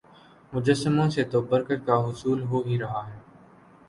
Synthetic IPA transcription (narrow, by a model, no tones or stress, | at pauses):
mʊd͡ʒəsɪmõːseːt̪oːbəɾkəʈkaːɦʊsuːlɦoːɦiːɾəɦaːɦɛː